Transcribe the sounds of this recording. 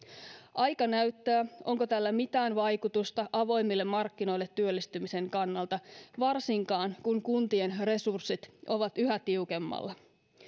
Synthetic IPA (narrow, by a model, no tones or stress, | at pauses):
ʔɑjkɑnæɥt̪ːæːʔo̞ŋkot̪ælːæmit̪æːnʋɑjkut̪ust̪ɑʔɑʋo̞jmːilːemːɑrkːino̞jlːe̞t̪ːyølːist̪ymise̞ŋkɑnːɑlt̪ɑʋɑrsiŋkɑːnkuŋkunt̪ie̞nre̞sursːit̪ʔo̞ʋɑt̪yɦæt̪iukemːɑ̰lːɑ